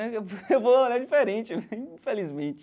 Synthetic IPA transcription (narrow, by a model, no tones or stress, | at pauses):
ɛewvoolad͡ʒifeɾẽt͡ʃɪĩfelizmẽt͡ʃɪ̥